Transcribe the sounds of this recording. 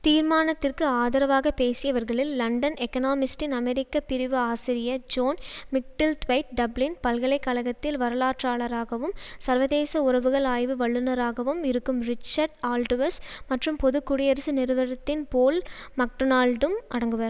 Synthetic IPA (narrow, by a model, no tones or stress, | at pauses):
t̪iːɾmaːnɐt̪ːɪrkɯaːðɐɾɐʋaːɣɐpeːsɪjɐʋɐɾɣɐɭɪlːɐɳɖɐnɛkɐnaːmɪsʈɪnɐmɛɾɪkːɐpɪɾɪʋɯaːsɪɾɪjɐd͡ʒoːnmɪk̚ʈɪlt̪ʋɐɪʈ̚ɖɐblɪnpɐlɣɐɭɐɪkːɐlɐɣɐt̪ːɪlʋɐɾɐlaːʈraːɭɐɾaːɣɐʋɯmsɐɾʋɐðeːsɐʊrɐʋɯɣɐɭaːjʋɯʋɐɭːɯnɐɾaːɣɐʋɯmɪɾɯkːɯmɾɪt͡ʃːɐɾɖaːlɖɯʋɐɾsmɐʈrɯmpɔðɯkːʊɽɪjɐɾɐsɯnɪɾɯʋɐɾɐt̪ːɪnpoːlmɐk̚ʈɯnaːlɖɯmʔɐɽɐŋɡɯʋɐɾ